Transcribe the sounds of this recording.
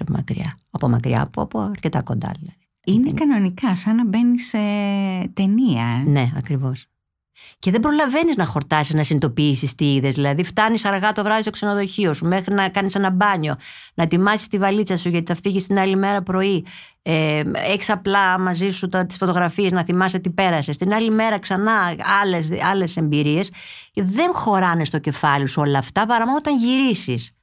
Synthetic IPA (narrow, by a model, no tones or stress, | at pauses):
pomɐ̰kɾḭɐ̰ɐpomɐ̰kɾḭɐ̰ːpoɐpoɐɾce̞t̪ɐko̞nd̪ɐ̰ðilɐði | inekɐno̞nikɐsɐnɐbe̞niset̪e̞niɐene̞ɐkɾivo̞s | ce̞ðe̞bɾo̞lɐve̞niznɐxo̞ɾt̪ɐsiznɐsinit̪o̞piisist̪iiðe̞zðilɐðift̪ɐnisɐɾɣɐt̪o̞vɾɐðistokseno̞ðo̞çio̞sume̞xɾinɐkɐnise̞nɐbɐɲo̞ | nɐt̪imɐsist̪ivɐlit͡sɐsuʝɐt̪iθɐfiʝist̪inɐlime̞ɾɐpɾo̞i | eeçi̥sɐplɐmɐzisut̪ɐt̪i̥sfo̞t̪o̞ɣɾɐfieznɐθimɐset̪ipe̞ɾɐse̞st̪inɐlime̞ɾɐksɐnɐɐlesɐle̞se̞mbiɾie̞s | ðe̞ŋxo̞ɾɐne̞st̪o̞ce̞fɐliosuo̞lɐːft̪ɐpɐɾɐmonot̪ɐɲʝiɾisis